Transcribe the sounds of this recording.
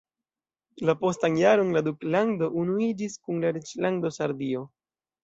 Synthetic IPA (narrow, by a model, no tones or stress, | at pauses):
lapo̞stanjaɾo̞nladuklando̞ʔunuid͡ʒiskunlaɾet͡ʃlando̞saɾdio̞